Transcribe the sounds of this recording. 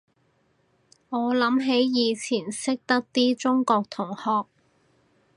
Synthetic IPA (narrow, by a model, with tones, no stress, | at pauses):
ŋɔː˨˧lɐ˨˥mɦe˨˥jjiː˨˧t͡sʰiː˨˩nsɪ˥k̚t̪ɐ˥k̚t̪iː˥t͡sʊ˥ŋkɔː˧k̚t̪ʰʊ˨˩ŋhɔː˧k̚